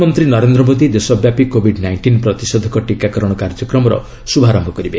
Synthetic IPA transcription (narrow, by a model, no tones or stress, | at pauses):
mɔnt̪ɾinɔɾend̪ɾɔmod̪id̪esɔbjapikobʱiɖnajɳʈinpɾɔt̪isɔd̪ʱɔkɔʈikakɔɾɔɽ̃ɔkaɾd͡ʒɔkɾɔmɔɾɔ̰ | subʱaɾɔmbʱɔkɔɾibe